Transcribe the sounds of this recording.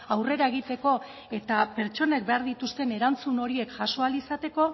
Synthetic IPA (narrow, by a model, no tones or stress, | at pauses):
awre̞ɾae̞ɣ̞it̪e̞ko̞ | e̞t̪ape̞ɾt͡ʃo̞ne̞k̚be̞aɾðit̪ust̪e̞ne̞ɾant͡suno̞ɾie̞kʝaso̞alisat̪e̞ko̞